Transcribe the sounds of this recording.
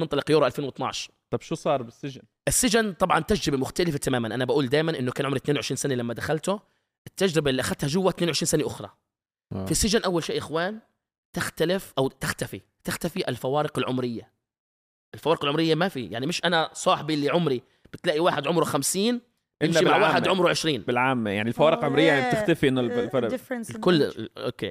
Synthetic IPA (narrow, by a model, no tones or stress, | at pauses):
nɪnt̪ˤɑlɪqjuːɾʔalfeːnwɨt̪ˤnɑ̰ʕʃɑɾˤt̪ˤɑbʃusˤɑːɾˤbɪsːɪʒɪnʔɪsːɪʒɪnt̪ˤɑbʕɑnt̪ad͡ʒɾɪbemʊxt̪alɪfat̪amaːmanʔanabaʔuːld̪aːjmanʔɪnːokaːnʊmɾit̪neːnwʊʕɪʃɾiːnsanelamːad̪axalt̪ʊ | ʔɪt̪ːad͡ʒɾɪbaʔɪlːiʔaxadt̪haʒʊwːat̪neːnwʕɪʃɾiːnsaneʔʊxɾˤɑ̰ | fisɪʒɪnʔawːalʃḛːʔɪxwaːn | t̪ɪxt̪alɪfʔawt̪ɪxt̪afi | t̪axt̪afiʔɪlfawɑːɾɪqɪlʕʊmɾɪjːa | ʔɪlfawɑːɾɪqɪlʕʊmɾɪjːamafijaʕnimɪʃʔanasˤɑːħbiʔlːiʕʊmɾi | b̥ɪt̪laːʔiwaːħɪd̪ʕʊmɾwxamsiːn | bɪmmimaʕwaːħɪd̪ʕʊmɾwʕɪʃɾiːnbɪlʕaːmjaʕnilfawɑːɾɪqʕʊmɾɪjːab̚t̪ɪxt̪afiʔɪnːʊɾdfnkʊlːo̰kḛː